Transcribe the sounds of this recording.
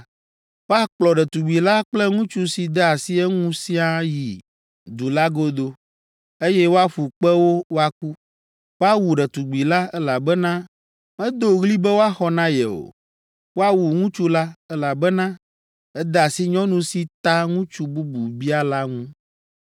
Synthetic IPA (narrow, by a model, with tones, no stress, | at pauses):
wo˦a˦k͡plɔ˨ɖɛ˨t̪u˨ɡ͡bi˨la˦k͡plɛ˦ŋũ˦t͡ʃu˦si˨d̪ɛ˦a˨si˦ɛ˦ŋũ˦si˦a˦ji˨ | d̪u˨la˦ɡo˦d̪o˦ | e˦jɛ˦wo˦a˦ɸu˨k͡pɛ˦wo˦wo˦a˦k̚u˦ | wo˦a˦wu˨ɖɛ˨t̪u˨ɡ͡bi˨la˦ɛ˦la˨bɛ˦nã˦ | mɛ̃˦d̪o˨ɣli˦bɛ˦wo˦a˦xɔ˦nã˦jɛ̰˨o̰˨ | wo˦a˦wu˨ŋũ˦t͡ʃu˦la˦ɛ˦la˨bɛ˦nã˦ | ɛ˦d̪ɛ˦a˨si˦ɲɔ̃˦nũ˦si˦t̪a˦ŋũ˦t͡ʃu˦bu˦bu˨bi˦a˦la˦ŋũ˦